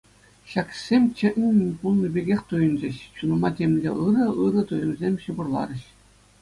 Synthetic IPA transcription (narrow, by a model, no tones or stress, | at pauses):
ɕɑksʲemʲt͡ɕɘ̆ʔʲnʲɘ̆nʲpulˠnʲibʲeɡʲexʲt̪ujɤ̆nd͡ʑɘ̆ɕɕunɤ̆mɑtʲemʲlʲḛʔɯɾɤ̆ɯɾɤ̆t̪ujɤ̆mzʲemʲɕɯ̆bŭrlˠɑ̰ɾɘ̆ɕ